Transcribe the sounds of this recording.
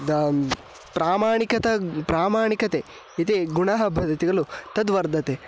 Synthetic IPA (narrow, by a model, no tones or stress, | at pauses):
d̪ | pɾaːmaːɳikɐt̪ɐpɾaːmaːɳikɐt̪e | it̪eɡuɳɐɦɐbʱɐd̪ɐt̪iɡɐɭut̪ɐd̪ʋɐɾd̪ɐt̪e